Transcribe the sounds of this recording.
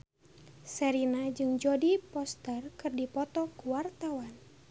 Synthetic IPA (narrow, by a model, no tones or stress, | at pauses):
sɛɾinad͡ʒɨŋd͡ʒɔdipɔst̪ərkɨrdipɔt̪ɔkuwart̪awan